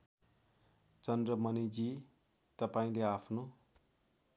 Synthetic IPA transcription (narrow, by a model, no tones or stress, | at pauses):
t͡sʌnd̪rʌmʌnid͡zi | t̪ʌpaĩleapʰno